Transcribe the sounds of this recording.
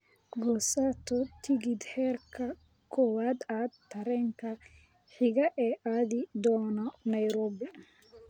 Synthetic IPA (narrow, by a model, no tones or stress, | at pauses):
ɡɔːsaːt̪ʰɔt̪ʰɪɣɪd̪hɛːrkʰɐ | kʰɔwaːd̪aːd̪t̪ʰːɐɾɛːŋkʰɐ | ħɪɣɐʔɛːʔaːðɪd̪ɔːnɔnɐjɾɔːbɪ